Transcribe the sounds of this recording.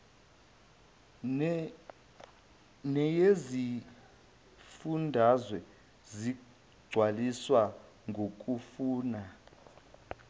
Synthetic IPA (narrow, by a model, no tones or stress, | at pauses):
nɛjezi | fundʱazwɛ | zi | ɡ͡ǀʱwaliswa | ŋʱok̬ʼufuːna